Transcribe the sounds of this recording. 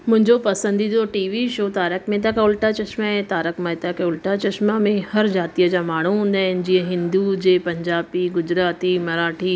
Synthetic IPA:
mʊ̃ɦɪ̃ɲd͡ʑopɐsə̃nd̪id̪oʈiːʋiʃoːt̪aːɾəkmẽt̪̬akaʊlʈat͡ɕɐʃmaɛ̃t̪aːɾəkmãɪt̪akeʊlʈat͡ɕɐʃmamẽhɐɾd͡ʑaːt̪ijəd͡ʑaːmaːɳ̤̃uɦũːn̆d̪aːɦɪnɪ̆d͡ʑiːə̃ɦɪ̃nd̪ud͡ʑeːpɐ̃ɲd͡ʑaːbiɡʊd͡ʑɾaːt̪imɐɾaːʈʰiː

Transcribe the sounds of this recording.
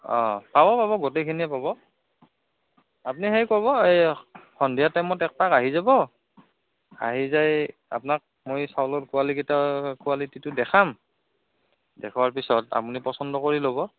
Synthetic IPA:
ɔ̰̃pabɔpaβɔɡotejkʰiniɛpabɔ | apuniɦejkɔβɔejxɔndijatɛmɔtɛk̚pakaɦizabɔ | a̰ɦizaja̰pʊnak̚ | mojsawlɔtkualiketakualititʊdɛxʰam | dɛkʰɔwaɹpisɔta̰punipɔsɔndɔkoɹilobɔ

